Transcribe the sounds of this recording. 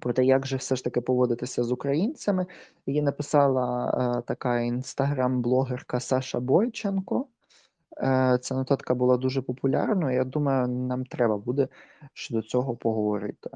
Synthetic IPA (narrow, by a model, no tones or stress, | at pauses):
pɾɔt̪ɛjaɡʒɛwsɛʃt̪ɐkɪpɔʋɔd̪ɪt̪ɪsʲɐzʊkɾɐjinʲt͡sʲɐmɪ | jinɐpɪsɑlˠɐt̪ɐkɑinst̪ɐɦɾɑmblˠɔɦerkɐsɑʃɐbɔjt͡ʃenkɔ | t͡s̪ʲanɔt̪ɑt̪kɐbʊlˠɑd̪uʒɛpɔpʊlʲɑ̰rnɐijad̪umɐjʊnɑmt̪ɾɛbɐbud̪ɛʃt͡ʃɔd̪ɔt͡sʲɔɦɔpɔɦɔʋɔɾɪ̰t̪ɪ̥